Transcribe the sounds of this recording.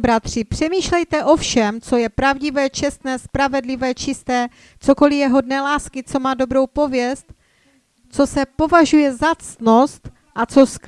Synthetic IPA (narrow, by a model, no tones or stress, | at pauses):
bɾat̪r̝̥ɪpr̝̥ɛmiːʃlɛjt̪ɛʔo̞fʃɛmt͡so̞jɛpɾavɟɪvɛːt͡ʃɛst̪nɛːspɾavɛdlɪvɛːt͡ʃɪst̪ɛː | t͡so̞ko̞lɪjɛɦo̞dnɛːlaːskɪt͡so̞maːdo̞bɾo̞wpo̞vjɛst̪ | t͡so̞sɛpo̞vaʒujɛzat͡s̪no̞st̪ | ʔat͡so̞sk